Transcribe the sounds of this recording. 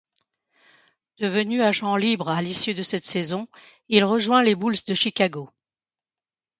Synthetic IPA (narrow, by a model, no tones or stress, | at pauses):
d̪̥əvənyaʒɑ̃libʁalisjyd̪əsɛt̪sɛzɔ̃ | ilʁəʒwɛ̃lebulsd̪əʃikʲaɡo